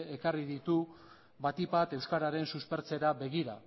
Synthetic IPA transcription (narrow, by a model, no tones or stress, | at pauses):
ekariðit̪u | βat̪ipat̪e̞wskaɾaɾe̞nsuspe̞ɾt͡se̞ɾaβe̞ɣ̞iɾa̰